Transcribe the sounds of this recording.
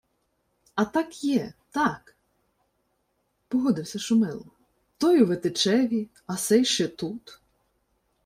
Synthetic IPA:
ɐt̪ɑkjɛt̪ɑk | pɔɦɔd̪ɪwsʲɐʃʊmɪlˠɔ | t̪ɔjuʋet̪et͡ʃɛʋʲi | ɐsɛjʃt͡ʃɛt̪ut̪

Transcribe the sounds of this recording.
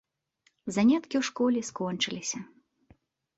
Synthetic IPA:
zanʲat̪kʲiwʂkɔlʲɛskɔnt͡ʂɨlʲisʲɐ

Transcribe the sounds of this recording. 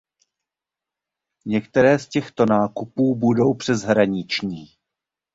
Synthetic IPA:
ɲɛkt̪ɛɾɛːscɛxt̪o̞naːkupuːbudo̞wpr̥ɛzɦɾaɲɪt͡ʃɲiː

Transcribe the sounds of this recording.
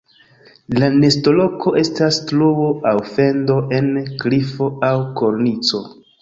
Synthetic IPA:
lane̞sto̞lo̞kʰo̞ʔe̞stastluoʔawfe̞ndo̞ʔe̞nklifo̞awko̞ɾnit͡so̞

